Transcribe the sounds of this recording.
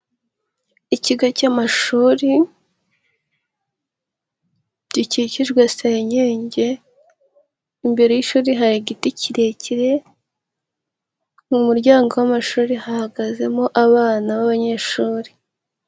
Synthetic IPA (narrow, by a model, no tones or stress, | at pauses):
iciɡacamaʃuːɾi | ɟiciciʒɡwaseɲeːɲɟe̞ | imbe̞ɾe̞jiʃuːɾiɦaɾiɡiticiɾe̞ciɾe̞ | mumuɾɟaːŋɡo̞wamaʃuːɾihahaɡaze̞moʔaβaːnaβaβaɲe̞ʃuːɾi